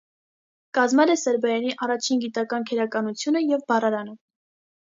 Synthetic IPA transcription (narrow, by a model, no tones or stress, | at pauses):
kɑzmɛlɛsɛɾbɑjɑniʔɑrɑt͡ʃʰinɡit̪ɑkɑnkʰɛɾɑkɑnut͡sʰjunəjɛvbɑrɑɾɑnə